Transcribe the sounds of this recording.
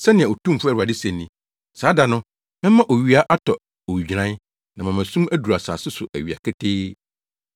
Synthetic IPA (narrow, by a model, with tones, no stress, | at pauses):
sɛ˦nɪ̃˨ɛ̃˨o˨tʰũ˦m̩˨fʊ˦æ˦˨a˨dɪ˦sɛ̃˨nːĩ˨ | saː˨˦da˨nʊ̃˦ | mɛ̃˦mã˦ʔo˨ɥi˦a˦ʔa˦tʰɔ˨ | o˨wi˨d͡ʑi˨ɾã˦ | nã˨mã˨mæ̃˨sũ˦mæ˦du˨ɾa˨sa̰ː˨sɪ˦sʊ˨ʔæ̰˨ɥi˨a̰˨kʰɛ˦tʰeː˦